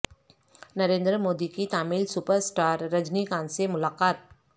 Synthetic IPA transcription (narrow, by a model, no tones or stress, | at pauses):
nɐɾẽːnd̪ɾəmoːd̪ikit̪aːmilsupəɾsʈaːɾːɐd͡ʒnikãːnsemʊlaːkaːt̪̚